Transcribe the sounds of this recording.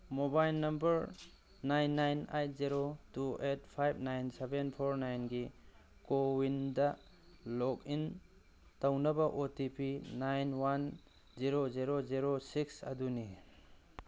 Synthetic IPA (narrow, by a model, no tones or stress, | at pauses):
mobajlnɐmbɐɾ | najnːajnajt̚ʰziɾotuet̚pʰajb̚najnsebenpʰoɾnajnɡikowindɐ | lɔk̚in | tawnɐbɐʔotipʰinajnwan | ziɾoziɾoziɾosiksɐ̰duni